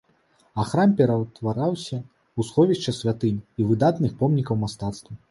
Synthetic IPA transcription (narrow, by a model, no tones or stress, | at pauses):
axɾampʲɛɾɐt̪vaɾawsʲɐ | usxɔvʲiʂt͡ʂɐsʲvʲat̪ɨnʲivɨd̪at̪nɨxpɔmnʲikɐwmast̪at̪st̪vɐ